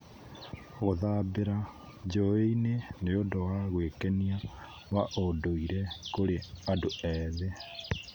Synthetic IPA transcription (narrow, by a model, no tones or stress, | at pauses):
ɣoðaːbeɾa | d͡ʒoeineneodowaɣwekenia | waʔodoiɾɛkoɾeadoɛðe